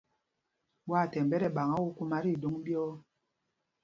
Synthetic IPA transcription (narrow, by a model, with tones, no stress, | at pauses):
ɓwa˦˨tɛ˨m˨bɛ˦ɾɛ˨ɓa˨ŋa˦wu˦ku˦ma˦ɾi˦˨do˦ŋ˦bjɔ˦